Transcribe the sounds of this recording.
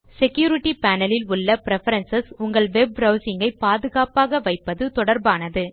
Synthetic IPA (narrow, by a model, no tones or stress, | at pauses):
sɛkjuːɾɪʈːipaːnɐlɪlʊɭːɐpɪɾɛfɐɾɐnsɐsʊŋɡɐɭʋɛb̚ɾɐʊsɪŋɡɐɪpːaːðɯɣaːpaːɣɐʋɐɪpːɐðɯt̪ɔɽɐɾbaːnɐðɯ